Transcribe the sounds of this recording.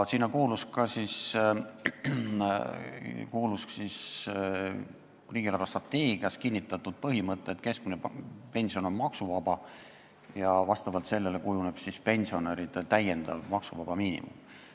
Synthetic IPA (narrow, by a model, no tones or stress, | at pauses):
siːnːɑkuːluskɑsis | kuːlusksis | riːɡ̥ilɑɾɑst̪rɑt̪ːe̞ːɡ̥iɑs̚kinʲːit̪ːˑɑt̪ːˑud̪̥̚pɤɦimɤt̪ːˑeːt̪ke̞sk̚minepe̞nʲsio̞no̞mmɑksuvɑb̥ɑ | jɑvɑst̪ɑvɑlt̪se̞lːe̞le̞kujune̞b̥sispe̞nʲsio̞neɾid̪̥elt̪æje̞nd̪̥ɑ̰lmɑksuvɑb̥ɑmiːnḭmṵm